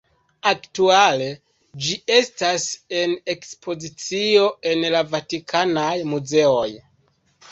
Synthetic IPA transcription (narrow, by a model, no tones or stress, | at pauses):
aktuale̞ | d͡ʒie̞stase̞ne̞kspʰo̞zit͡sio̞e̞nlavatikʰanajmuze̞o̞j